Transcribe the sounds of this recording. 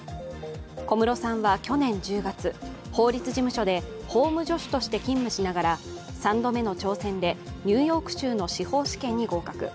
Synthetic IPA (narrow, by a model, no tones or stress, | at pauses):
ko̞mɯ̟ɾo̞sãɰ̃βakʲo̞nẽ̞ɲ̟d͡ʑɨːɡat͡sɨ | ho̞ːɾʲit͡sɨʑimɯ̟ɕo̞d̪e̞ho̞ːmɯ̟ʑo̞ɕi̥t̪o̞ɕi̥t̪e̞kʲĩmːɯ̟ɕinaɡaɾa | sãnd̪o̞me̞no̞t͡ɕo̞ːsẽ̞nd̪e̞ɲ̟ɨːjo̞ːkɯ̟̥ɕɨːno̞ɕiho̞ːɕi̥kẽ̞ɲ̟ːiɡo̞ːkakɯ̟̰